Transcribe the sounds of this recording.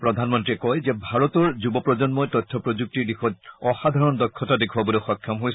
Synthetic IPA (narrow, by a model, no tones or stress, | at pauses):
pɹɔdʱanmɔntɹiɛkɔjzɛbʱaɹɔtɔɹzubɔpɹɔzɔnmɔjtɔtʰːɔpɹɔzuk̚tiɹdixɔtɔxad̪ʱaɹɔndɔkʰːɔtadekʰuabɔloxɔkʰjɔmɦojs